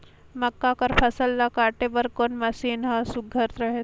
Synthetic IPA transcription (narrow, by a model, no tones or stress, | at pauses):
mɐkːakɐɾpʰɐsəlːakaːʈebɐɾkoːnmɐsiːnɦasʊɡʱɐɾt̪ɾɐɦe